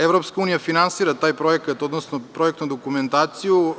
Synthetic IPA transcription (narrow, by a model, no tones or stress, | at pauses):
evɾopskauːnijafinansiːɾat̪aːjpɾoekat̪od̪nosnopɾoekt̪nud̪okument̪aːt̪siju